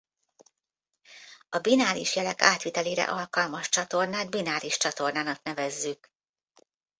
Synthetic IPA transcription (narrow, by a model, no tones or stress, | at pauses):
ɒbinaːɾiʃjɛlɛkaːt̪ʋit̪ɛleːɾɛ̰ʔɒlkɒlmɒʃt͡ʃɒt̪o̞rnaːd̪binaːɾiʃt͡ʃɒt̪o̞rnaːnɒknɛvɛzːyk